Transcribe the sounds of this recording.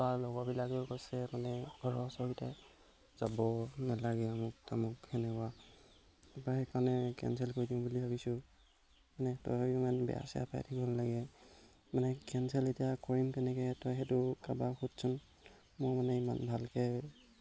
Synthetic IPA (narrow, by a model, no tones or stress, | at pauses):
alɔɡɔbilakekɔsɛmanɛɡʱɔɹɔsɔɹitɛ | zabɔnalaɡɛamʊk̚tamʊkhɛnɛkɔa | ɛbahɛkaɹnɛkɛ̰nsɛlkoɹidimbulibʱabisʊ | manɛtɔ̰jimanbɛ̰a̰sia̰pʰa̰jtʰikbɔnlaɡɛ | manɛkɛnsɛletijakɔɹimkɛnɛkɛtɔjɦɛtʊkabaxutsʊn | mʊjmanɛima̰nbʱalkɛ